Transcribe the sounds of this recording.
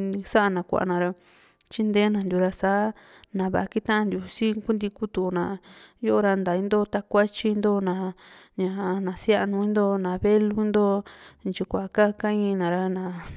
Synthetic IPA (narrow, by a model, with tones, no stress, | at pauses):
sa˦ʔa˧nã˨kʷa̰˨ʔa̰˧nã˨˧ɾa˧ | t͡ʃi˦nd̪eː˦nã˧nd̪ju˨˧ɾa˧saː˨˦nã˨βa̰˨a˧ki˦t̪ã˦ã˧nd̪ju˧si˦ku˦nd̪i˧ku˦t̪u˧nã˨jo˦ʔo˦˧ɾa˧nd̪a˨i˧nd̪o˦t̪a˧kʷa˦t͡ʃi˧nd̪o˦nã˨ | ɲã˨nã˨sa˦ʔnũ˧ĩ˦nd̪o˦nã˨βe˦lu˦i˦nd̪o˦nt͡ʃi˧kʷa˨ka˦ka˦ĩ˦˧nã˨ɾa˧nã˨